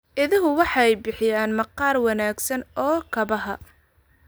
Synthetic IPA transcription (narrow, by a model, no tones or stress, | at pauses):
ʔɪðɪɦʊwɑħɑɛjbɪħɪjaːnmɐqɑːrwɑnaːɡsɐnɔːkʰɐbɐɦɐ